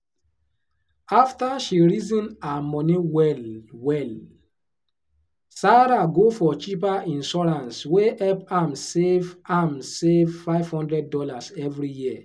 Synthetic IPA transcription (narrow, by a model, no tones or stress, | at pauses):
aftaʃiɹizĩnamɔniwɛlwɛl | saɾaɡofɔt͡ʃipaʔĩnʃɔɹãnsweɛpãmsevãmsevfaɪv̥hɔ̃ndɹɛd̚dɔlasɛvɹijiə